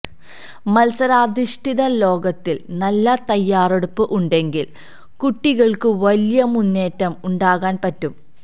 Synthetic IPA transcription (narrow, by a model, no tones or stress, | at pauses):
mɐlsɐɾaːd̪iʂʈiðɐlo̞ːɡɐt̪ːilnɐlːɐt̪ɐjːaːreɽupːɨʔuɳɖe̞ŋɡil | kuʈːiɣɐɭkɨʋɐlijɐmunːe̞ːtːɐmuɳɖaːɣaːnpɐtːum